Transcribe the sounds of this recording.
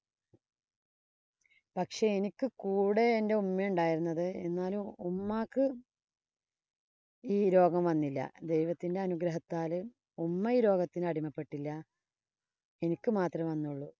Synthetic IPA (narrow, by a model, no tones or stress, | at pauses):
pɐkʂe̞enikʲːɨkuːɽe̞ːnde̞umːɐjuɳɖaːjiɾunːɐðɨenːaːluumːaːkːɨ | iːɾo̞ːɡɐmʋɐnːilːɐ̰d̪e̞jʋɐt̪ːinde̞ɐnuɡɾɐɦɐt̪ːaːlɨ | umːɐjɾo̞ːɡɐt̪ːinɐɽimɐpːe̞ʈːilːɐ | e̞nikʲːɨmaːt̪rɐmʋɐnːuɭːu